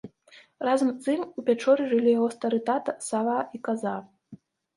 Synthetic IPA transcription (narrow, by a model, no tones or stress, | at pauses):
razɐmzt̪ɨmupʲat͡ʂɔɾɨʐɨlʲijaɣɔst̪ɐɾɨt̪at̪ɐsavaikaza